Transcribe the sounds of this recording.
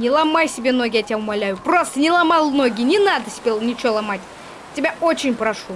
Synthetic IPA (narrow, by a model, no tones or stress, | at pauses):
nʲɪlˠɐmajsʲɪbʲenoɡʲɪatʲɪaʊmɐlʲæjʊpro̞st̪ənʲɪlˠɐmalˠnoɡʲɪnʲɪnad̪əsʲɪbʲelˠnʲɪt͡ɕɪvolˠɐmatʲ | tʲɪbʲaot͡ɕɪnʲpɾɐʂu